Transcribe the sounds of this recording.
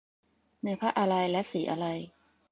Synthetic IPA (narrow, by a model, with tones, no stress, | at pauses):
nɯ˧pʰa˦˥ʔa˧ɾa˧jlɛ˦˥ʔsiː˩˦ʔa˧ɾa˧j